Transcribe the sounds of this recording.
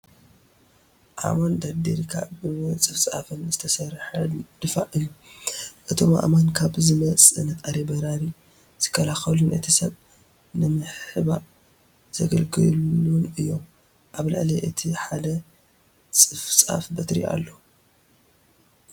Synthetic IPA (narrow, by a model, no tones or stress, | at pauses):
ʔa̰mand̪ad̪eɾikʰa̰bɨt͡sʼɨft͡sʼa̰fɨnzɨt̪ʰɐsɐɾħɐd̪̥ɨfaʔʔɨjːuʔɨt̪ʰo̞ma̰ʔmankʰaβzɨmɐt͡sʼɨnʔaɾebɐɾaɾi | z̥ɨ̥kʰːɐlaxɐlunʔɨ̰t̪ʰisɐβ | nɨmɨħħɨβa | z̥ɐɡɐlɡɨlunɨjːo̞m | ʔaβla̰ʕlɐʔɨt̪ʰiħad̪ɐ | t͡sʼɨfsʼa̰fbɐt̪ɾḭʔa̰lːo